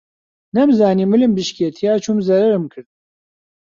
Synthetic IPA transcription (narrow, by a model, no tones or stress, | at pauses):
nɐmzaːniːmɨlɨmbɨʃket̪ʰijaːt͡ʃʰumzɐɾɐɾɨmkʰɨɾd̪̚